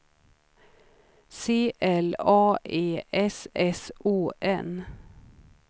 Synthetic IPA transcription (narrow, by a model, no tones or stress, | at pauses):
seːʔɛlɑːʔeːʔɛsɛsʔuːʔɛn